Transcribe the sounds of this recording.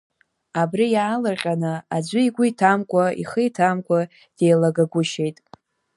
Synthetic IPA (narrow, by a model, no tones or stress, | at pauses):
abrijaːlarqʲʼanɨad͡ʒʷɨiɡʷʊitʰamkʷʼaḭχəjtʰamkʷʼa | d̥e̞jlaɡaɡʷʊʃe̞jtʼ